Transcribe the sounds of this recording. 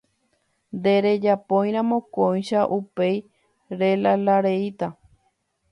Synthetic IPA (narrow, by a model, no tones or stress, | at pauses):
nd̪eɾe̞d͡ʒapõj̃ɾ̃ãmõ̞kõj̃ʃaʔupe̞j | ɾelalaɾeit̪a